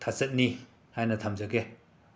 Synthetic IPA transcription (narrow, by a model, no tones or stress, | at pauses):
tʰasɐt̚ni | hajnɐtʰamzɐɡe